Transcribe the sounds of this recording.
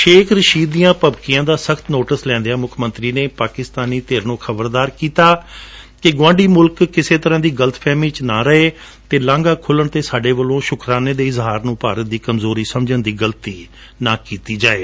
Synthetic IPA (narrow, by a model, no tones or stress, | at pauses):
ʃeːkʰɾəʃiːd̪ijãːpəbkɪjãːd̪aːsəkt̪noːʈəslɛ̃ːnd̪eaːmʊkʰmə̃nt̪ɾiːneːpaːkɪst̪aːniːt̪eːɾnũːxʰəbəɾd̪aːɾkiːt̪aː | kɪɡwãːɳɖiːmʊlkːɪseːt̪əɾãːd̪iːɡələt̪pʰɛːmiːt͡ʃnãːɾəɦeː | t̪eːlãːŋɡaːkʰʊləɳt̪eːsaːɖeːʋəlõːʃʊkʰɾaːneːd̪eːɪzɦaːɾnũːpaːɾət̪̚d̪iːkəmzoːɾiːsəmd͡ʒənd̪iːɡəlt̪iː | naːkiːt̪iːd͡ʒaːeː